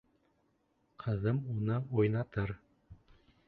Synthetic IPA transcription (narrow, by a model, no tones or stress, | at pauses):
qʰɤ̆ðɤmunɤojnɑt̪ɤɾ